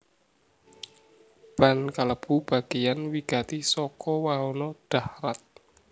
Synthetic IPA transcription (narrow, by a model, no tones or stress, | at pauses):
b̥a̤nkaləb̥ṳb̥a̤ɡ̥ejanwiɡ̥at̪isɔkɔwaɦonɔɖ̥ahɾat̪̚